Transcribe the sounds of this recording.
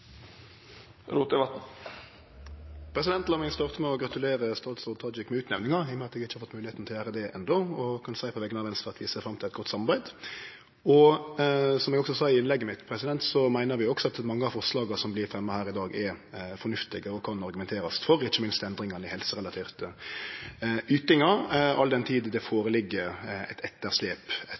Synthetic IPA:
ɾuːt̪əʋɑt̪n̩ | pʰɾɛsɪd̪ɛnt̪lɑmɪŋst̪ɑːʁt̪əmɛɔɡɾɑt̪ʉleːɾəst̪ɑːt̪sɔd̪̚t̪ʰɑːd͡ʒɪkmɛʉːt̪nɛʋnɪŋɑɛmɛɑt̪ɛɡɪçːhɑɾfɔt̪mʉːlɪeːt̪n̩t̪ɪlæːɾəd̪ɛʔɛ̰nd̪ɔɔkʰɑnsæɪpʰɔʋɛɡənɑʋɛnst̪ɑɑt̪ʋɪseːfɾɑmt̪ʰɪlɛt̪ɡɔt̪sɑmɑɾbæɪd̪ | ɔ | sɔmɛɡɔksɔsɑːɪɪnlɛɡːəmɪt̪pʰɾɛsɪd̪ɛnt̪sɔmæɪnəɾʋɪɔksɔɑt̪mɑŋːəɑfɔɾʂlɑːɡɑsɔmblɪɾfɾɛmːəhæːɾɪd̪ɑːɡɛfɔɾnʉft̪ɪɡəɔkʰɑnɑɾɡʉmɛnt̪ʰeːɾɑsfɔɾɪçːəmɪnst̪ɛnd̪ɾɪŋɑnɪhɛlsəɾɛlɑt̪ʰiːʁt̪ə | yːt̪ɪŋɑɑ̰ld̪ɛnt̪ʰiːd̪d̪ɛfoːɾəlɪɡːəɛ̰t̪ʰɛt̪ːəɾsleːpɛ

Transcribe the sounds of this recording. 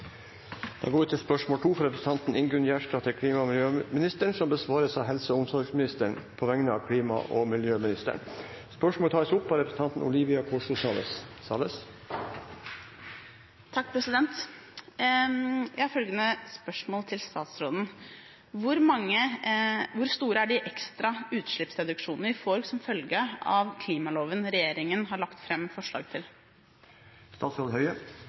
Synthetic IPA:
d̪̥ɑ̰ːɡoːɪt̪ʰɪlspœʂmoːlʈ̪ʰuːfɔɾɛpɾəsn̩ʰɑnt̪n̩ɪŋɡɾʉnjæːʂʈɑːt̪ʰɪlkʰɽiːmɑmɪljøːmɪnɪst̪əɳsɔmbəsʋɑːɾəsɑɦɛlsəɔʊmsɔlɡsmɪnɪst̪əɳpʰɔʋɛŋnəɑkʰɽiːmɑ̰ʔɔ̰mɪljøːmɪnɪst̪ə̰ɳ | spœʂmoːt̪ʰɑːɾsʊpːɑɾɛpɾəsn̩t̪ɑnt̪n̩ʊ̰liːʋɪɑkʰɔʂʊsɑːlə̰ssɑ̰ləs | t̪ʰɑk̚ːpʰɾɛsɪd̪ɛnt̪ | jæɪhɑɾfœlɡənəspœʂmoːlt̪ʰɪlst̪ɑːt̪sɾoːd̪n̩ | ʋʊɾmɑŋːə | ʋʊɾst̪uːɾəæɖɪʔɛkst̪ɾɑʉːt̪ʂɭɪpsɾɛd̪ʉkʂuːnəɾɪfɔɾɡsɔmfœlɡəɑ̰ʋkʰliːmɑloːʋənɾɛjeːɾɪŋənɦɑɾɭɑkt̪fɾɛmːfɔʂɭɑ̰ːɡt̪ʰɪl | st̪ɑːt̪sɾoːd̪hœʏə

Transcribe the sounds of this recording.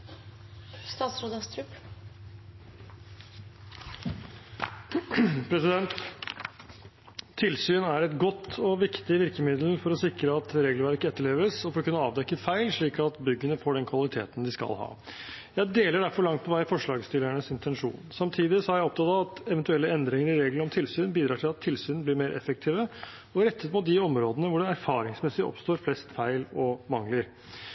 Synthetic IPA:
st̪ɑːt̪sɾoːd̪ɑst̪ʰɾʉp | pʰɾɛsɪd̪ɛnt̪ | ɪlsyːnæɾɛt̪ɡɔt̪ːɔʋɪkt̪ɪʋɪɾkəmɪd̪l̩fɔɾɔsɪkɾəɑt̪ɾeːɡlʋæɾkɛt̪ːəɭeːʋəsɔfɔɾɔkʉnːəɑːʋd̪ɛkːəfæɪlʂɭiːkɑt̪bʏɡːənəfoːɖɛnkʰʋɑlɪt̪ʰḛːt̪n̩d̪ɪskɑ̰lhɑ̰ː | jæɪd̪eːləɖæɾfɔɾɭɑŋt̪̚pʰɔʋæɪfɔʂɭɑːɡst̪ɪlæɳəsɪnt̪ʰɛnʂṵːnsɑmt̪ʰiːd̪ɪsɔhæɾjæɪɔp̚t̪ʰɑt̪ɑɑt̪ɛʋɛnt̪ʉɛlːəɛnd̪ɾɪŋəɾɪɾeːɡləɾɔmt̪ʰɪlsyːnbiːd̪ɾɑːʈʰɪlɑt̪ʰːɪlsyːnnblɪɾmeːɾʔɛ̰fək̚t̪ʰiːʋə | ɔɾɛt̪ʰːət̪mʊt̪̚d̪ɪɔmɾoːd̪ənəʋʊɖɛæɾfɑːɾɪŋsmɛsɪʔɔ̰pst̪oːɾflɛst̪fæɪlɔmɑŋləɾ

